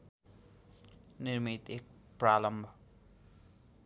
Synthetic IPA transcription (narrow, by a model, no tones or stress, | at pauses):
nirmit̪ek̚ | pralʌmbʱʌ